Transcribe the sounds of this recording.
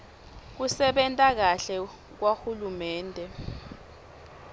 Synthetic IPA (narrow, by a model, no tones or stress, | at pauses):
k̬usɛɓɛntʼak̬aɬɛ | k̬waxulumɛːndʱɛ